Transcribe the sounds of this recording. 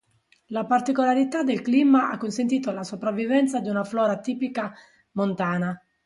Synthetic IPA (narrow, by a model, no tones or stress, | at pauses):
lapart̪ikolaɾit̪ad̪elklimaakːonsent̪̬iːt̪oalasopɾavːivɛnt̪sad̪iunaflɔːɾat̪iːpika | mont̪aːna